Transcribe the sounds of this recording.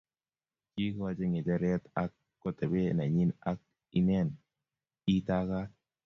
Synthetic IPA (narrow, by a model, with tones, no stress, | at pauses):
t͡ʃi˦kwa˦d͡ʒe˦ŋe˨tɛ˦ɾjɛ˦t̪a˦kːɔ˨t̪ɛ˨be˦na˨ɲɪ˦na˦k̚ | i˦nɛ˦˨n | i˦t̪a˦ka˦